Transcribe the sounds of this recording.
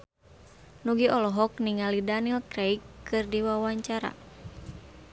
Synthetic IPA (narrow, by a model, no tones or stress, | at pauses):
nuɡiɔlɔɦɔk̚niŋalidanilkɾejkːɨrdiwawaɲt͡ʃaɾa̰